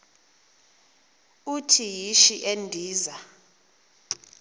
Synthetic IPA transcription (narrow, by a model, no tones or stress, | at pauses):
utʰijiʃiʔendʱiːza